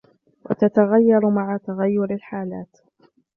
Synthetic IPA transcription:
wʔa̰t̪at̪aɣajːɑɾˤmaʕat̪aɣajːʊɾalħaːlaːt̪

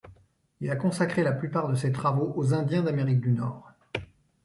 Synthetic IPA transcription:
ilakɔ̃sakχelaplypaʁd̪əset̪χavoʔozɛ̃d̪jɛ̃d̪ameʁik̚d̪ynɔːʁ

